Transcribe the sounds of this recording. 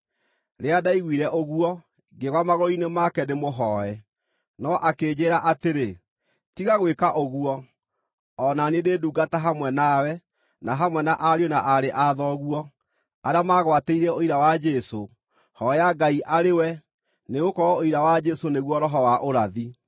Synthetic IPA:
ɾeadaiɣwiɾɛʔoɣuɔ | ɡeɣwamaɣɔinemakɛdemoɦɔɛ | nɔʔakeːd͡ʒeːɾaʔateɾe | tiɣaɣwekaʔoɣuɔ | ɔnanededuːɡataɦamwɛnawɛ | naɦamwɛnaʔaɾjonaʔaɾeʔaðɔɣwɔ | aɾeamaːɣwateiɾɛoiɾawad͡ʒɛso | hɔjaɡaiʔaɾewɛ | neɣokɔɾɔoiɾawad͡ʒɛsoneɣwɔɾɔɦɔwaʔoɾaði

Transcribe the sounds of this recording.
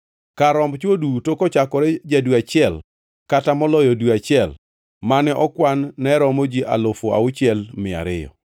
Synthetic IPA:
kaɾɔmbt͡ʃodutokɔt͡ʃakɔɾɛd͡ʒadwat͡ʃɪɛl | katamɔlɔjɔduat͡ʃɪɛl | manɛʔɔkwanːɛɾɔmod͡ʒiʔa̰lofoa̰ʊt͡ʃɪɛlmɪa̰ɾɪjɔ̰

